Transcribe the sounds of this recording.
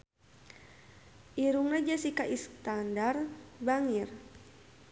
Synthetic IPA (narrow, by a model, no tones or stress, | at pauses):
ʔiɾuŋnad͡ʒasikaʔist̪andarbaŋir